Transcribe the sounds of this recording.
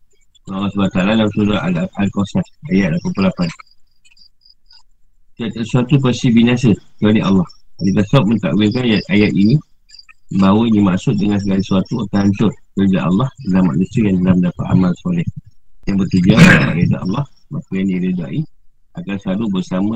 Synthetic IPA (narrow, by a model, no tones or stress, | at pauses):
alasbat̪alalamsuɾaalkɔsatajat̪̚lapəpulapan | tat̪əsuat̪up̬əsibinas̬əkəadiʔɑ̰lːɑhanik̪asaʊt̪̚mənt̪a̰ʔwɪlkanjat̪ajat̪inĩ | bawənimaʔsʊt̪̚dəŋans̬əɡalisuat̪uataaɲt͡ʃʊt̚kərd͡ʒa̰ʔɑ̰lːɑhdalama̰ʔnũsiəjant̪əlahməndapat̪̚a̰malsɔlɛhjaŋbərt̪ud͡ʒuaʔa̰ʔida̰ʔɑ̰lːɑhmakujandilədaʔi | akansaɾubəsamə